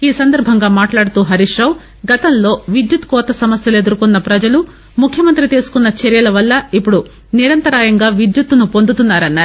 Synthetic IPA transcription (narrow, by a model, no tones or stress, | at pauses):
iːsɐnd̪ɐɾbʱɐŋɡaːmaːʈlaːɽut̪uːɦɐɾiʂɾɐːw | ɡɐt̪ɐnlo̞ːʋid̪jut̪kɔːt̪ɐsɐmɐsjɐle̞d̪uɾukunːɐpɾɐd͡ʒɐlu | mukʰjɐmɐnt̪ɾit̪eːsu̥kunːɐt͡ʃɛɾjɐlɐʋɐlːɐipːuɽu | niɾɐnt̪ɐɾaːjɐŋɡaːʋid̪jut̪ːunupo̞nd̪ut̪unːaːɾɐnːaːɾu